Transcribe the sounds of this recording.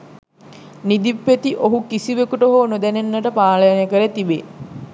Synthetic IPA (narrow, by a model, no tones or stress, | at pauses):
nid̪ipːet̪iʔoɦukisiʋekuʈəɦoːnod̪ænenːəʈəpaːləjanjəkəɾet̪ibe